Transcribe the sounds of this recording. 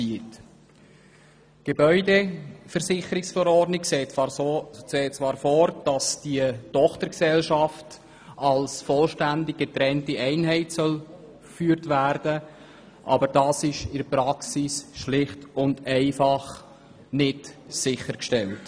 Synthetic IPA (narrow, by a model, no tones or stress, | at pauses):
iːt | ɡ̥ebœʏdefəɾsɪχəɾɪksfɔɾɔdnɪkse | seːt͡svɑːɾfɔɾd̥ɑsd̥iətɔχtəɾksɛlʃɑft | ɑlsfɔlʃtændɪɡ̚ɡ̥etɾɛntiɛɪnɦɛɪtsœl | fyːəɾtʋærd̥ə | ʔɑ̰bəɾd̥ɑːsɪʃɪəpɾɑksisʃlɪχtʊndɛɪfɑχ | nɪtsɪχəɾkʃtɛlt